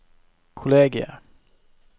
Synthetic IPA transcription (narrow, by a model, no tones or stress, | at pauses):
kʰʊleːɡɪə̰